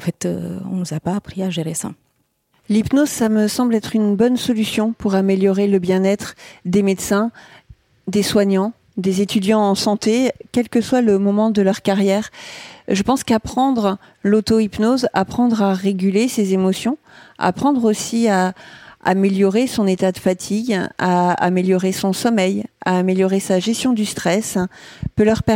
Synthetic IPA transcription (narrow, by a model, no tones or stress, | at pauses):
ɑ̃fɛt̪ø̰ɔ̰̃nuzapaːpχiaʒeʁesa̰ | lipnozsaməsɑ̃blɛt̪χynbɔnsɔlysjɔ̃puʁameljɔʁeləbjɛ̃nɛt̪χd̪emet̪sɛ̃ | d̪eswaɲɑ̃ | d̪ezet̪ʰyd̪jɑ̃ːsɑ̃t̪ekʲɛlkəswaləmɔmɑ̃d̪əlœʁkaʁjɛːʁʒəpɑ̃skapχɑ̃d̪ʁ | lot̪oipnoza̰pχɑ̃d̪ʁaʁeɡʲylesezemɔsjɔ̃ | a̰pχɑ̃d̪ʁosiaa̰meljɔʁesɔ̃net̪ad̪əfat̪ʰiɡaa̰meljɔʁesɔ̃sɔmɛja̰ːmeljɔʁesaʒɛst̪jɔ̃d̪yst̪χɛspølœʁpɛ